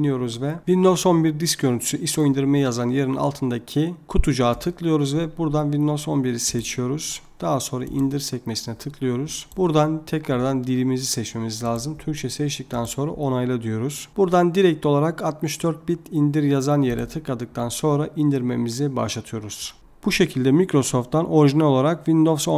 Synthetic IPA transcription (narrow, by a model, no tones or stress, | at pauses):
nijo̞ɾuzvɛvind̪o̞so̞nbiɾd̪isk̚ɟøɾynt̪ʰy̥syʔiso̞ind̪iɾmɛjazanje̞ɾina̰lˠt̪ʰɯnd̪acʰikʰut̪ʰud͡ʒaːt̪ʰɯklˠɯjo̞ɾuzvɛbuɾd̪anvind̪o̞so̞nbiɾiset͡ʃʰijo̞ɾuz̥d̪̥aɦaso̞nɾa̰ʔḭnd̪iɾsɛcmesinɛt̪ʰɯklˠɯjo̞ɾuz̥buɾd̪ant̪ʰɛcɾaɾd̪and̪iɾimizisɛt͡ʃme̞mizlʲaːzɯmt̪ʰyɾct͡ʃʰɛsɛt͡ʃt̪ic̚t̪ʰænso̞nɾa̰ʔo̞najlˠɯd̪ɯjo̞ɾuz̥b̥uɾd̪and̪iɾɛc̚t̪ʰʲo̞lˠaɾakat̪mɯʃd̪øɾt̪̚bit̪ʰind̪iɾjazanjeɾɛ̰t̪ʰɯklˠad̪ɯk̚t̪ʰanso̞nɾaʔind̪iɾme̞miziba̰ʃlˠat̪ʰɯjo̞ɾuz̥ | b̥uʃe̞cʰilʲd̪ɛmikɾo̞so̞ft̪ːanʔo̞ɾiʒinɛlo̞lˠaɾakvind̪o̞vso